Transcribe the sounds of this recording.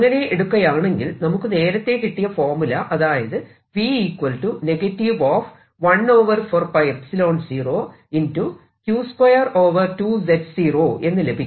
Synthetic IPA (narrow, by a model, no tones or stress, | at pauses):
ŋːɐneʔeɽukːɐjaːɐme̞ŋɡilnɐmukːɨne̞ːɾɐt̪ːe̞kiʈːijɐfoːrmilɐʔɐðaːjɐðɨ | ʋiiːkwɐlʈune̞ɡɐʈːiʋoːf | ʋɐno̞ːʋɐrfoːrpɐjpsilo̞ːnsiːro̞ː | intu | kjuːskwɐjɐro̞ːʋɐrtuːd͡ʑedsiːroːʔe̞nːɨlebʱikʲː